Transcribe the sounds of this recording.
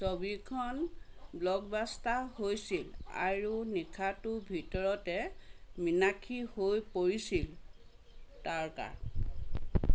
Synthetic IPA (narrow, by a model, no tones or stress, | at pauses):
sobikʰɔnblɔɡ̚bastahojsila̰ɹunikʰatʊbʱitɔɹɔtɛminakʰihojpoɹisil | taɹka̰ɹ